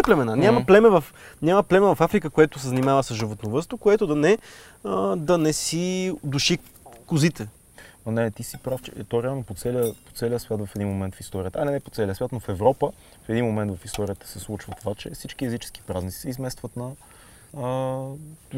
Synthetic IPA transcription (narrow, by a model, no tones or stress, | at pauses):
ɛplɛmɛnanʲamməplɛmɛvɐfɲʲamɐplɛmɛvɐfafɾikəkoɛt̪ʊsɛzɐnʲimavəsəzʒivot̪novəst̪vokoɛt̪ʊd̪ɐnɛ | əd̪ɐnɛsid̪uʃi | kʊzit̪ɛ | nɛt̪isipɾaft͡ʃɛ̰t̪oɾɛalˠnopot̪sɛliəpo̥t̪sɛliəsvʲjat̪vɐfɛd̪inmomɛnt̪fist̪ɔɾiət̪əɐnɛnɛpo̥t̪sɛlʲiəsvʲat̪nofɛvɾɔpə | fɛd̪inmomɛ̃nt̪vɐfist̪ɔɾijət̪ə̥sɛslˠut͡ʃvət̪ovat͡ʃɛ̰sit͡ʃkiɛzit͡ʃɛ̥ski̥pɾaznit̪sisɛizmɛst̪vət̪nɐ | ə